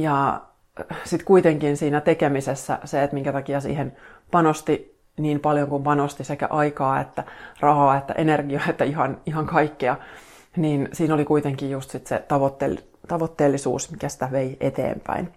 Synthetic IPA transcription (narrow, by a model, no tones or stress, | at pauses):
jɑ | sit̪kuit̪eŋkinsiːnæt̪ekemisesːæ̰seet̪miŋkæt̪ɑkiɑsḭːhenpɑnost̪i | niːmpɑljoŋkumpɑnost̪isekæ̰ʔɑikɑːḛt̪ːærɑhɑːet̪ːæ̰ʔenerɡiɑet̪ːæihɑniɦhɑŋkɑikːeɑ | niːnsiːnolikuit̪eŋkijjust̪sit̪sḛt̪ɑʋot̪ːḛl | t̪ɑʋot̪ːeːlːisṵːsmikæsi̥t̪æʋeiet̪ḛːmpæ̰in